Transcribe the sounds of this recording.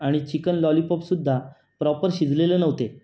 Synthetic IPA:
aɽ̃it͡ɕikənlɔlipɔpsud̪ʱːa | pɾɔpəɾɕid͡zʱlelənəʋt̪e

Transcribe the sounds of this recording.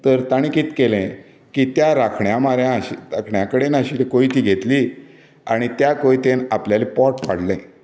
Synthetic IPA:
t̪əɾt̪aɽ̃ikiːt̪kelɛ̃ | kit̪jaɾakʰɳjamaɾjãɕiɾakʰɳjakəɽenaɕiːt̪ekoit̪iːɡʱet̪liː | aɽ̃it̪jakoit̪enapljalipɔʈpa̰ɽ̤lɛ̃

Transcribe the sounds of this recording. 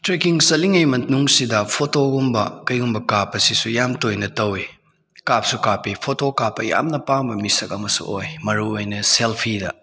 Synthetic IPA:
tɾekiŋsɐliŋɐjmɐnuŋsidɐpʰotoɡumbɐkɐjumbɐkapːɐsisujamtojnɐtɐwi | kap̚sukapipʰotokapːɐja̰mnɐpaŋbɐmisɐkɐmɐsṵojmɐɾuojnɐselpʰidɐ̰

